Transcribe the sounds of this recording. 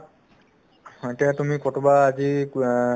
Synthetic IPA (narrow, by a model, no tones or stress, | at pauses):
etiatumikɔtobaːzi